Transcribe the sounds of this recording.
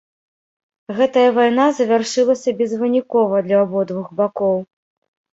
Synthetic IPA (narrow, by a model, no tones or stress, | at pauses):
ɣɛt̪ɐjɐvajnazɐvʲarʂɨlˠɐsʲɐbʲɛzvɨnʲikɔvɐd̪lʲɐːbɔd̪vuɣbakɔw